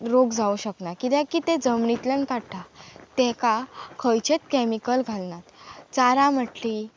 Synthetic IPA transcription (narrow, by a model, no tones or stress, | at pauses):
ɾoɡd͡zauɕəknakit̪ɛ̃kit̪ẽd͡zəmɳit̪lənkaɽʈʰat̪ɛ̃kakʰəjt͡ɕet̪kɛmikəlɡʱalnat̪t͡saɾaməʈli